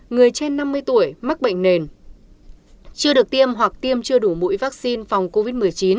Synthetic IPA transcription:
ŋɨ˨˩əjt͡ɕe˧nːa˧mːɨ˧əjt̪u˧˩əjma˦˥k̚ɓə̰˧˨ŋ̟ne˨˩n | t͡ɕɨ˧əɗɨ˨˩ək̚t̪i˧əmɦwa˨˩k̚t̪i˧əmt͡ɕɨ˧əɗu˧˩mṵ˧˥jvaː˦˥k̚si˧nfa˨˩wŋ͡mko˧vi˦˥t̚mɨ˨˩əjt͡ɕi˨˦n

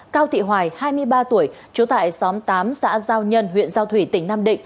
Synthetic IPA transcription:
kaː˧wt̪ʰḭ˧˨ɦwaː˨˩jhaː˧jmɨ˧əjɓaː˧t̪u˧˩əj | t͡ɕu˨˦t̪a̰ː˧˨jsɔ˨˦mt̪aː˨˦msa̰ː˧˥zaː˧wɲə˧nɦwḭ˧˨ənzaː˧wt̪ʰwi˧˩t̪ï˧˩ŋnaː˧mɗḭ˧˨ŋ̟

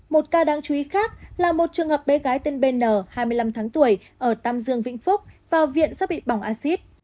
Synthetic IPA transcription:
mo˨˩t̚kaː˧ɗaː˨˦ŋt͡ɕu˨˦i˨˦xaː˦˥k̚laː˨˩mo˨˩t̚t͡ɕɨ˨˩əŋhəː˨˩p̚ɓe˨˦ɣaː˨˦jt̪e˧nɓe˧nːəː˧˩haː˧jmɨ˧əjla˧mt̪ʰaː˨˦ŋt̪u˧˩əj | ʔəː˧˩t̪aː˧mzɨ˧əŋvḭ˧˥ŋ̟fʊ˦˥k͡p̚v̥aː˨˩wvḭ˧˨ənsaː˦˥ɓḭ˧˨ɓa˧˩wŋ͡mʔaː˧si˦˥t̚

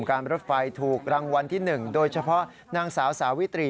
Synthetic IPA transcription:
mkaː˧nɾo˦˥t̪̚fa˧jt̪ʰuː˨˩k̚ɾa˧ŋwa˧nt̪ʰiː˥˩nɯ˨˩ŋdoː˧jt͡ɕʰa˧pʰɔ˦˥ʔ | naː˧ŋsaː˩˦wsaː˩˦wi˦˥t̪ɾiː˧

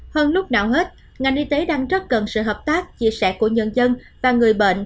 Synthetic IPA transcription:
həː˧nlʊ˦˥k͡p̚naː˨˩wɦe˦˥t̚ | ŋa˨˩jnʔi˧t̪e˨˦ɗaː˧ŋzə˦˥t̚kə˨˩nsɨ̰˧˨ɦəː˨˩p̚t̪aː˦˥k̚t͡ɕḭ˧˥˨sɛ˧˥ku˧˩əɲə˧˩nzə˧n | vaː˨˩ŋɨ˨˩əjɓḛ˧˨nʔ

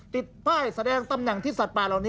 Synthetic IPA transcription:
t̪i˨˩t̪̚pʰaː˥˩jsa˧dɛː˧ŋt̪a˧mnɛ˨˩ŋt̪ʰiː˥˩sa˨˩t̪̚paː˨˩la˨˩wniː˦˥

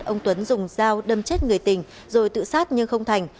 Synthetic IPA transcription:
t̚ʔə˧wŋ͡mt̪wə˨˦nzʊ˨˩ŋ͡mzaː˧wɗə˧˩mt͡ɕe˦˥t̚ŋɨ˨˩əjt̪ï˨˩ŋ̟ | zo˨˩jt̪ɨ̰˧˨saː˦˥t̚ɲɨ˧ŋxə˧wŋ͡mt̪ʰa˨˩jŋ̟

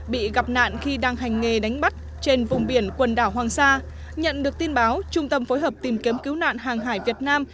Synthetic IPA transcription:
ɓḭ˧˨ɣa˨˩p̚na̰ː˧˨nxi˧ɗaː˧ŋɦa˨˩jŋ̟ːe˨˩ɗa˨˦jŋ̟ɓa˦˥t̚ | t͡ɕe˧nvʊ˨˩ŋ͡mɓi˧˩ənkwə˨˩nɗaː˧˩wɦwaː˨˩ŋsaː˧ | ɲə̰˧˨nɗɨ˨˩ək̚t̪i˧ənɓaː˨˦wt͡ɕʊ˧ŋ͡mt̪ə˧mfo˨˦jɦəː˨˩p̚t̪i˨˩mki˨˦mki˨˦wna̰ː˧˨nɦaː˨˩ŋɦaː˧˩jvi˨˩ət̚naː˧m

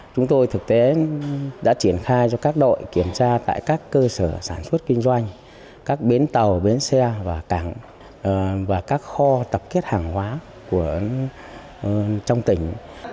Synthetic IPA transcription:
t͡ɕʊ˨˦ŋ͡mt̪o˧jt̪ʰɨ˨˩k̚t̪e˨˦ɗa̰ː˧˥t͡ɕi˧˩ənxaː˧jzɔ˧kaː˦˥k̚ɗo̰˧˨jki˧˩əmt͡ɕaː˧t̪a̰ː˧˨jkaː˦˥kːəː˧səː˧˩saː˧˩nswə˦˥t̚kï˧ŋ̟zwa˧jŋ̟ | kaː˦˥k̚ɓe˨˦nt̪ə˨˩wɓe˨˦nsɛ˧vaː˨˩ka˧˩ŋ | vaː˨˩kaː˦˥k̚xɔ˧t̪ə˨˩p̚ke˦˥t̚haː˨˩ŋhwaː˨˦ | ku˧˩ə | t͡ɕɔ˧wŋ͡mt̪ï˧˩ŋ̟

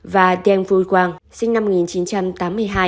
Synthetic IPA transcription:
vaː˨˩ɗɛ˧nvu˧˩jkwaː˧˩ŋsï˧ŋ̟na˧mː˨˩k̚ŋi˨˩nt͡ɕi˨˦nt͡ɕa˧mt̪aː˨˦mːɨ˧əjɦaː˧j

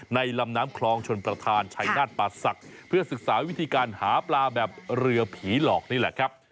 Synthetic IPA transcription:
na˧jla˧mnaː˦˥mkʰlɔː˧ŋt͡ɕʰo˧npɾa˧t̪ʰaː˧nt͡ɕʰa˧jnaː˥˩t̪̚paː˧sa˨˩k̚pʰɯ˥˩ɐsɯ˨˩k̚saː˩˦wi˦˥t̪ʰiː˧kaː˧nhaː˩˦plaː˧bɛː˨˩p̚ɾɯ˧ɐpʰiː˩˦lɔː˨˩k̚niː˥˩lɛ̰˨˩ʔkʰɾa˦˥p̚

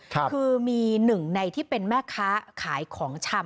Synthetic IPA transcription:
kʰɯː˧miː˧nɯ˨˩ŋna˧jt̪ʰiː˥˩pe˧nmɛː˥˩kʰaː˦˥kʰaː˩˦jkʰɔː˩˦ŋt͡ɕʰa˧m

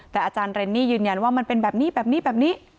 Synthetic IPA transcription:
t̪ɛː˨˩ʔaː˧t͡ɕaː˧nɾe˧nːiː˥˩jɯː˨˩nja˧nwaː˥˩ma˧npe˧nbɛː˨˩p̚niː˦˥˩bɛː˨˩p̚niː˦˥bɛː˨˩p̚niː˦˥ʔ

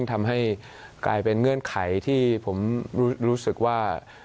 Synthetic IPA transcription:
ŋt̪ʰa˧mɦa˥˩j | kla̰ː˧jpe˧nŋɤ˧˥˩ənkʰa˩˦jt̪ʰiː˥˩pʰo˩˦mɾuː˦˥ɾuː˦˥sɯ˨˩k̚waː˥˩

